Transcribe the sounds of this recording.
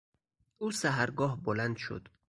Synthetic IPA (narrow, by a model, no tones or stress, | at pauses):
usaɦaɾɡɔhbɔland̪ʃo̰d̪